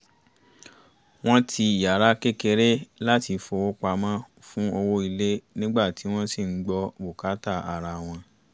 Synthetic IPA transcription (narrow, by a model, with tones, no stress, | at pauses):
w̃ɔ̃˦tʰi˧i˨ja˨ɾa˦ke˦ke˧ɾe˦la˦ti˧fo˧wo˦k͡pa˧mã˦ | fũ˦o˧wo˦i˧le˦nĩ˦ɡ͡ba˦˨ti˨˦w̃ɔ̃˦si˦˨ŋ̩˦ɡ͡bɔ˧bo˨ka˨˦ta˦˨a˨ɾa˨w̃ɔ̃˧